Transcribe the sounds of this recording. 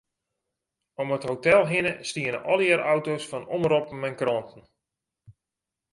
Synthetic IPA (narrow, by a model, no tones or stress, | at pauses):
ɔməthowtɛlˠɦɪnəstiənə̰ʔɔlˠjəɾʔawtowsfɔnɔmrɔp̩mɛnkrɔntən̩